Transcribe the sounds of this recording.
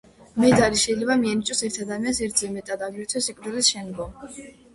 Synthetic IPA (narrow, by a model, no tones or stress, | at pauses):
mɛd̪zaɾiʃɛjlɛbamiɛnit͡ʃʼɔsɛɾt̪ʰad̪amiansɛɾt̪ʰzɛmɛt̪ʼad̪aɡiɾt̪ʰwɛsɛkʼvɾd̪ɛlisʃɛnɡɔm